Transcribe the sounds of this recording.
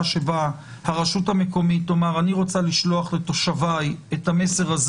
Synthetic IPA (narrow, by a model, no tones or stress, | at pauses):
ʃeba | haʁaʃuthame̞ko̞mitlo̞maʁaniʁo̞t͡saliʃlo̞aχle̞to̞ʃavajethame̞se̞ʁaz